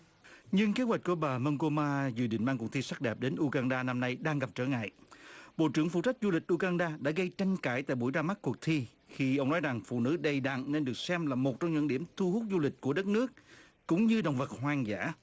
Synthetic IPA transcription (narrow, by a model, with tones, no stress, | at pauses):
ɲɨ˧ŋke˨˦˥wa˨˩jk̟̚ku˧˩əɓaː˨˩mə˧ŋko˧maː˧zɨ̰˨˩ɗḭ˧˨ŋmaː˧ŋku˨˩t̪ʰi˧sa˦˥k̚ɗɛ˨˩p̚ɗe˨˦nʔu˧ɣaː˧nɗaː˧na˧mna˧jɗaː˧ŋɣa˨˩p̚t͡ɕəː˧˩ŋa̰ː˧˨jʔɓo̰˧˨t͡ɕɨ˧˩əŋfṵ˧˨t͡ɕa˦˥k̟̚zu˧lï˨˩k̟̚ʔu˧ɣaː˧nɗaː˧ɗa̰ː˧˥ɣə˧jt͡ɕa˧jŋ̟kaː˧˩jt̪a̰ː˧˨jɓu˧˩əjzaː˧ma˦˥ku˨˩ək̚t̪ʰi˧ | xi˧ʔə˧wŋ͡mnɔ˨˦jza˨˩ŋfṵ˧˨nɨ̰˧˥ɗə˨˩jɗa̰˧˨ŋne˧nɗɨ˨˩ək̚sɛ˧mlaː˨˩mo˨˩t̚t͡ɕɔ˧wŋ͡mɲə̰˧˥nɗi˧˩əmt̪ʰu˧hu˦˥t̚zu˧lï˨˩k̟̚ku˧˩əɗə˦˥t̚nɨ˦˥ək̚ | kʊ̰˧˥ŋ͡mɲɨ˧ɗo̰˧˨wŋ͡mvə˨˩t̚ɦwaː˧ŋza̰ː˧˩˥